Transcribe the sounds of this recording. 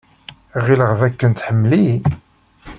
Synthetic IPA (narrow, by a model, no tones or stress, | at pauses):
ʁiləʁðækːənt̪ħəmːli